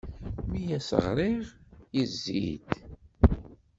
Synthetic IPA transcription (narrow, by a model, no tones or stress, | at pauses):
mijæsə̰ʁɾˤɪʁjizːḭd̪